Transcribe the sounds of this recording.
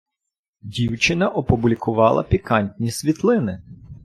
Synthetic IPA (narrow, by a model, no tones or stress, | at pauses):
dʲiwt͡ʃɪnɐʔɔpʊblʲikʊʋɑlˠɐ̰pʲikɑnʲtʲnʲisʲʋʲit̪lˠɪnɪ